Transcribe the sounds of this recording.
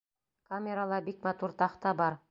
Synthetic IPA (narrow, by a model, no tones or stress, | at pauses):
kamʲeɾalˠɑbikmɑt̪uɾt̪ɑqt̪ɑbɑɾ